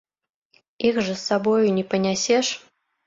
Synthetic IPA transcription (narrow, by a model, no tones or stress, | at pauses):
ixʐɨsːabɔjunʲɛpɐnʲasʲɛʂ